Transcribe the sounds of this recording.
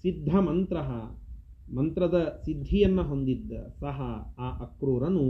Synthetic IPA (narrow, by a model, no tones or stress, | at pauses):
sid̪ʱːɐmɐnt̪ɾɐɦɐ̰ | mɐnt̪ɾɐd̪ɐsid̪ʱːijɐnːɐɦond̪id̪ːɐ̰sɐɦɐaːʔɐkɾuːɾɐnu